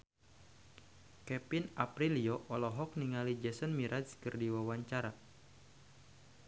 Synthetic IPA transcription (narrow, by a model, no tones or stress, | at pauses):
kɛpinapɾiliɔʔɔlɔɦɔk̚niŋalid͡ʒɛsənmiɾʔaskərdiwawaɲt͡ʃaɾa